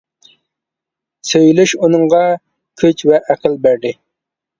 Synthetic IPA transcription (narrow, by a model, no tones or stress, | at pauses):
søjlyʃunɨŋʁɑ | kʲʰyt͡ʃvɛʔæqəlbæɾd̪ɪ